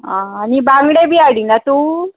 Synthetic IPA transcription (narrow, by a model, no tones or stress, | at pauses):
ɦãːnibãŋɡɽebʱiaɽinat̪u